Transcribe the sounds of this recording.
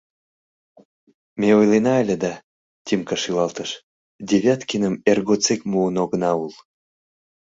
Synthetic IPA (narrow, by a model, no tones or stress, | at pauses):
meojlenɑəlʲĕd̪ɑ | t̪ʲimkəʃylɑlt̪əʃ | d̪ʲeβʲæt̪kinəmerɣot͡sekmuənoɣənɑul